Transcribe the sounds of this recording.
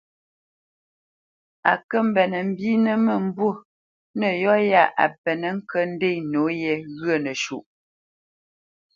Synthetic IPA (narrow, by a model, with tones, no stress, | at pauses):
a̰˨kə˦m̩˨bɛ˨nə˨m̩˦bi˦nə˦mə˨m̩˦bwo˦˨ | nə˨jɔ˦ja˦˨ʔa̰˨pɛ˨nə˨ŋ̩˦kə˦n̩˦de˦˨jno˨˦jɛ˦˨ɣɰə˦˨nə˨ʃu˨ʔ